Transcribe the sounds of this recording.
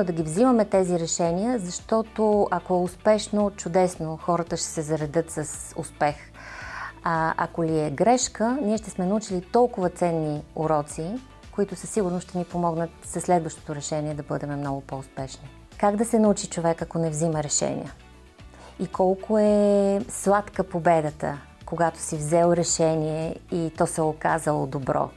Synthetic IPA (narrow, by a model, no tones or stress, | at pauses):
d̪ɐɡʲivzimɐmɛt̪ɛziɾɛʃɛnijəzɐʃt̪ɔt̪oɐkoɛʊspɛʃnot͡ʃʊd̪ɛsnoxɔɾət̪əʃt̪ɛ̥sɛzɐɾɛd̪ɤt̪sɐsʊ̰spɛx | ɐ̰koliɛɡɾɛʃkəniɛʃt̪ɛsmɛnɐut͡ʃilit̪ɔlˠkʊvət̪sɛnːiʊɾɔt̪si | koit̪ʊsəsiɡʊɾnoʃt̪ɛnipomɔɡnət̪sɐslɛd̪vəʃt̪o̥t̪oɾɛʃɛniɛd̪ɐbɤd̪ɛmɛmnɔɡʊpoʊspɛʃni | kaɡd̪ɐsɛnɐut͡ʃit͡ʃovɛkɐkonɛvziməɾɛʃɛ̰nḭjə | ikʰɔlˠkoɛslˠat̪kəpobɛd̪ət̪ə̰ | koɡat̪o̥sivzɛlˠɾɛʃɛniɛit̪ɔsɛoka̰zəlˠod̪obɾɔ̰